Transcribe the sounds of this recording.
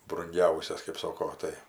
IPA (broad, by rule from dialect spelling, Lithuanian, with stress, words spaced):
brʊŋʲˈɡʲɛʊsʲɛs kɜp ˈsoːkoː ˈtɐɪ